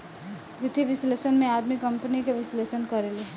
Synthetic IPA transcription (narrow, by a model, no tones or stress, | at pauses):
ʋɪt̪iʋɪslesənmẽaːd̪mikʌmpənikeʋɪslesənkʌɾele